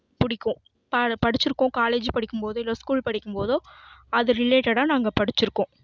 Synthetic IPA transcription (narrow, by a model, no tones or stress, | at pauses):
pʊɽɪkːʊ̃ | pɐpɐɽɪt͡ʃːɪɾɯkːʊ̃ːkaːleːd͡ʒpɐɽɪkːɯmpoːðɯɪlːoːskuːlpɐɽɪkːɯmpoːðɯɐðɯɾɪleːʈɐɽãːnaːŋɡɐpɐɽɪt͡ʃːɪɾɯkːõː